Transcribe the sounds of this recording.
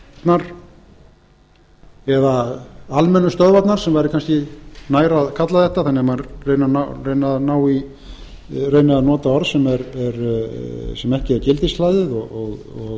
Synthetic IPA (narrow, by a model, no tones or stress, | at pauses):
t̪naɾ̥ | ɛðaalmɛnːʏst̪œðvat̪naɾ̥sɛmvajɾɪkʰanscɪnaːjɾaðkʰat̪laðθɛht̪aθanːɪamaɾreːjnanarejnaðnaːwi | reːjnaðanɔːt̪aɔɾðsɛmɛɾɛɾ | sɛmɛhcɪɛɾcɪlt̪ɪslajðɪðɔɔɣ | ɔɣ